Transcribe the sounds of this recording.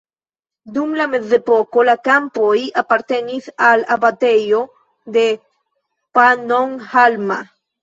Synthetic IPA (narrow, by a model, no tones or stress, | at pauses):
d̪umlamezepokolakampojapaɾt̪enisalabat̪ejo | d̪e | panoŋhalma